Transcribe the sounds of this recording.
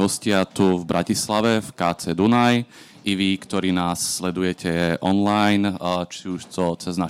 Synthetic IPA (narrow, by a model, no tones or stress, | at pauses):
ɦɔscɪat̪uvbɾʔacislaʋɛfkaːt͡sɛːd̪unaj | ʔiʋikt̪ɔɾiːnaːsːlɛd̪ujɛcɛʔɔnlajnt͡ʃiuʃt̪ɔt͡sɛzna